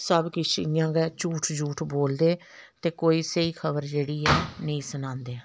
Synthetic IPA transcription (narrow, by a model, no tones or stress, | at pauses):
səbkɪt͡ʃɪjãːɡɛːt͡ʃuːʈʰd͡ʒuːʈʰboːld̪eː | t̪eːkoːiːsəiːkʰəbəɾd͡ʒeːɽiːɛːnəĩːsənãːnd̪eː